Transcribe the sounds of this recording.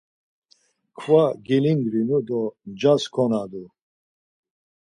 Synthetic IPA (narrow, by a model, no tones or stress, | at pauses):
kʰvaɡiliŋɡɾinud̪ɔnd͡ʒaskʰɔnad̪u